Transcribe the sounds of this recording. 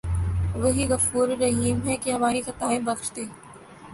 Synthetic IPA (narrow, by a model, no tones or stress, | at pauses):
ʋɐɦiɣɐfuːɾːɐɦiːmɦɛkeɦɐmaːɾixɐt̪aːẽbɐkʃt̪eː